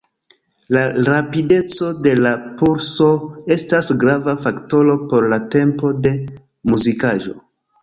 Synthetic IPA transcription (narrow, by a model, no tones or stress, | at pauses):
laɾapide̞t͡so̞de̞lapuɾso̞e̞stasɡɾavafakto̞ɾo̞po̞ɾlate̞mpo̞de̞ | muzikaʒo̞̰